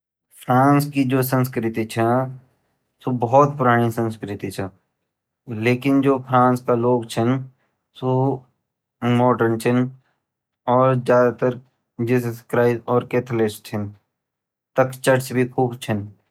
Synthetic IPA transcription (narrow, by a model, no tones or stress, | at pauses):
pʰɾãːnskid͡ʒoːsə̃nskɾɪt̪it͡ʃʰɛ | sobɔɦɔt̪̚pʊɾaːɽ̃isə̃nskɾɪt̪it͡ʃʰɛ̃ | leːkɪnd͡ʒoːpʰɾãːnskaloːɡt͡ʃʰən | so | mɔːʈəɾnt͡ʃʰən | ɔːɾzjaːd̪at̪əɾ | d͡ʒɪsskɾaːɪzɔːɾkeːt̪ʰəlɪst͡ʃʰən | t̪ɐkt͡ʃəʈsbʱikʰuːbt͡ʃʰən